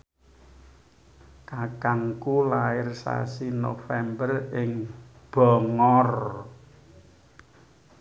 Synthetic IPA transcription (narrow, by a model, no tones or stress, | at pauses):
kakaŋkulaɪrsa̰sinofɛmbərɪŋ | b̥ɔ̤ŋɔr